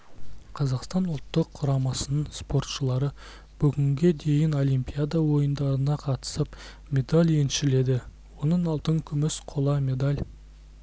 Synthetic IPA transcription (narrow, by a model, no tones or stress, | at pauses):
qʰɑzɑqst̪ɑnʊlˠt̪ːəqʰːʊɾɑmɑsənəɴspo̞ɾt̪ʃəlˠɑɾə | b̥ʏɡʲɪŋɡʲe̞d̪e̞jɪno̞lʲijmpʲijad̪ɑwo̞jənd̪ɑɾənɑqʰɑt̪ə̥səp | mʲe̞d̪alʲjenʃɪle̞d̪ɪ | wo̞nəɴɑlˠt̪əŋkʲʰʏmɪsqʰolˠɑmʲe̞d̪alʲ